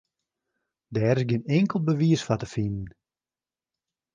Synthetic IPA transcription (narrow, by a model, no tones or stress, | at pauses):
dɛːrɪsɡɪnɪŋkəlˠbəʋiəsfatəfinn̩